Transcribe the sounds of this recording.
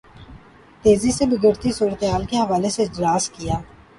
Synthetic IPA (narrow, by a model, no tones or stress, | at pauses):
t̪eːzisebɪɡəɾt̪isuːɾət̪eɦaːlkeɦəʋaːleseɪd͡ʒɾaːskɪjaː